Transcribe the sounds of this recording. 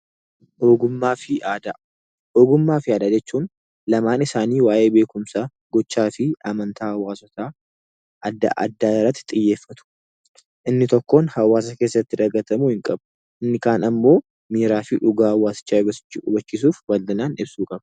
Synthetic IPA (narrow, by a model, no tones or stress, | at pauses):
ʔoːɡʊmːaːfɪaːd̪ɐ | oːɡʊmːaːfɪaːd̪ad͡ʒɛt͡ʃːuːn | lɐmaːnɪsaːniːwaːje̞ːbe̞ːkʊmsaː | ɡ̥ɔt͡ʃːaːfɪʔɐmɐnt̪ʰaːhɐwaːsɔt̪a | ʔɐd̪a̰ʔɐ̰d̪ːaːɪrːɐt̪ːɪ̥t̪ʼɪjːe̞ːfːɐt̪ʊ̥ | ʔɪnːɪt̪ɔkːo̞ːnhɐwːaːs̬ɐke̞ːsːɐt̪ːɪd̪ɐɡːɐt̪ɐmuːhɪŋkʼɐbʊ | ʔɪnːɪkaːnɐmːo̞ː | miːɾaːfɪᶑʊɡaːwːaːsɪ̥t͡ʃːaːʊbɐsɪ̥t͡ʃːɪʊbɐt͡ʃːis̬uːfwɐld̪ɪnaːnɪbsuːkʼɐb